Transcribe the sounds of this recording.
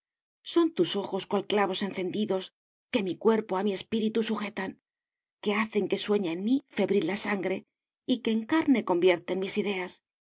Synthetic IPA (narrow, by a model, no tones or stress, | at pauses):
so̞nt̪uso̞xo̞skwalklaβ̞o̞se̞nθe̞nd̪iðo̞s | ke̞mikwe̞ɾpo̞amie̞spiɾit̪usuxe̞t̪an | ke̞aθe̞ŋke̞swe̞ɲaenmife̞βɾilːasaŋɡɾe̞ | ike̞ːŋkaɾne̞ko̞mbje̞ɾt̪e̞nmisiðe̞as